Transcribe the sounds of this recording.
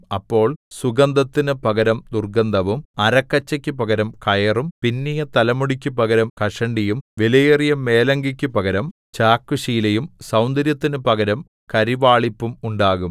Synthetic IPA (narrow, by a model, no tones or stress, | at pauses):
ɐpːo̞ːɭsuɡɐnd̪ɐt̪ːinɨpɐɡɐɾɐmd̪urɡɐnd̪ɐʋumɐɾɐkːɐt͡ɕːɐkʲːupɐɡɐɾɐmkɐjɐrumpinːijɐt̪ɐlɐmuɽikʲːupɐɣɐɾɐmkɐʂɐɳɖijumʋelɐjɐrijɐmːe̞ːlɐŋɡikʲːupɐɣɐɾɐm | t͡ɕaːkːuʂiːlɐjumsɐwnd̪ɐɾjɐt̪ːinɨpɐɡɐɾɐm | kɐɾiʋaːɭipːumuɳɖaːɣum